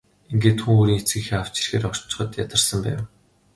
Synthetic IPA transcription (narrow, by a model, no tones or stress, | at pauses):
iŋɡeːt̪xuŋoːɾiːŋet͡sɡɘ̆xeːaw̥t͡ɕɪ̥̆rxeːɾɔ̥t͡ɕːɪ̥̆χɞ̆t̪jat̪ə̆rsə̆mpæ̰ːw